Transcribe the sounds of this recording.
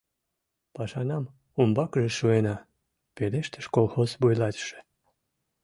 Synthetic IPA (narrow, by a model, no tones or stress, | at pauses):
pɑʃɑnɑm | umbɑkʒeʃuenɑ | peleʃt̪ə̥ʃkolˠxozβujlɑt̪ʃĕ̥